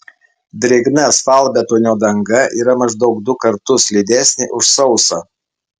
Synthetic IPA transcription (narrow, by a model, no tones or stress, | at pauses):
d̪ʲɾʲɪɡnɐsfɐˑlˠbʲɛt̪ʊnʲoːd̪ɐŋɡɐʔiːɾɐmɐʒd̪ɒʊɡ̚d̪ʊkɐɾt̪ʊslʲid̪ʲæsʲnʲɪʔʊʃsɒʊsɐ